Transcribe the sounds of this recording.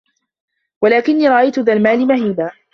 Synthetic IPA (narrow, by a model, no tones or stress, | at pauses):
walaːkɪnːiːɾˤɑʔajt̪ʊðaːlmaːlɪmahiːbaː